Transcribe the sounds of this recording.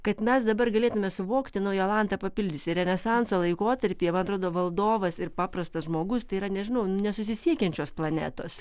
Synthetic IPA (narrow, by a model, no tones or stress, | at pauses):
kɐt̪mʲɛsd̪ɐbɐrɡɐlʲeːt̪ʊmʲɛsʊʋoːkt̪ʲɪnɐʊjɛlˠɑnt̪ɐpɐpʲɪlʲd̪ʲɪsʲɪɾʲɛnʲɛsɐnsoːlˠɐɪkoːt̪ɐɾʲpʲiːɛmɐnɐt̪ɾoːd̪oːʋɐlˠd̪oːʋɐsɪrpɑːprɐst̪ɐsʒmoːɡʊst̪ɐɪiːɾɐnʲɛʒʲɪnɐʊnnʲɛsʊsʲɪsʲiɛkʲɛnʲt͡ʃʲoːsplˠɐnʲæ̰ːt̪oːs